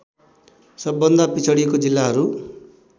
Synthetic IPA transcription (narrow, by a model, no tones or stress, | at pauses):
sʌbːʌnd̪apit͡sʰʌɽiekod͡zilːaɦʌɾu